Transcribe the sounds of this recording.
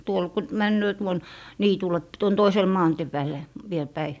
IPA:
tuol ku mænːøː tuon niːtulˑe p tuon toisel mɑːntĭe pæːlˑe ʋiel pæi

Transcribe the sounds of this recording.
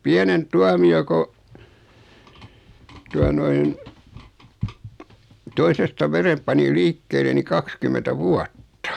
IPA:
piænemp tuɑmio ko tuɑ noin toisestɑ ʋerem pɑni liːkːeːle ni kɑkskymentæ ʋuɑtːɑ

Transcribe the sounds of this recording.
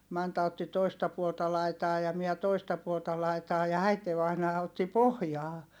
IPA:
mɑntɑ otːi toistɑ puoltɑ lɑitɑː jɑ miɛ toistɑ puoltɑ lɑitɑː jɑ æiteʋɑinɑː otːi pohjɑː

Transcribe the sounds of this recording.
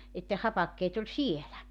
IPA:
et ne hɑpɑkːeːt olʲ sielæ

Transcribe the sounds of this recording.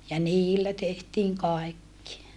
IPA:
jɑ niːlːæ tehtiːŋ kɑekːi

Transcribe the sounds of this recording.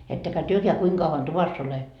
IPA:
etːekæ tyøkeæ kuiŋ kɑuʋɑn tuʋɑsː ole

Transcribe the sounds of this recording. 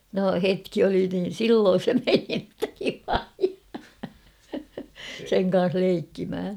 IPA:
no hetki oli niːn̞ silːoːn̞ se meni ĕtːæ ʋilɑji seŋ kɑn̞s leikːimh̆æ

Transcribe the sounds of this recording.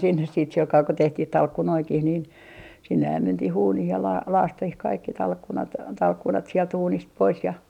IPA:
sinːes siːt silkɑː ko tehtih tɑlkːunoikih nin sinːehæm mentih uːnih jɑ lɑː lɑːstih kɑikːi tɑlkːunɑt tɑlkːunɑt sielt uːnist pois jɑ

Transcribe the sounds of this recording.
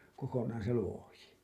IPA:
kokonɑːn̞ se luoji

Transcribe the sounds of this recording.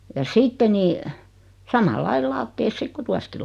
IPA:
jɑ sitːe ni sɑmɑlːɑil lɑːtːeːs sik ku tuɑski

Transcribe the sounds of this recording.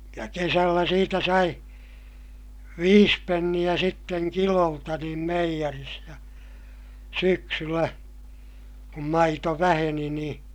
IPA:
jɑ kesælːæ siːtæ sɑi ʋiːs penːij̆æ sitːeŋ kiloltɑ niːm meijæris jɑ syksylːæ kum mɑito ʋæheni niː

